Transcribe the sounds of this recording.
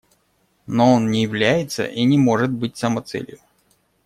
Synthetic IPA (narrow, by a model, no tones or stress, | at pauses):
no̞onnʲɪjɪvlʲæjɪt̪sə̰ʔinʲɪmo̞ʐɨt̪̚bɨt̚ʲsəmɐt̪sɛ̰lʲjʊ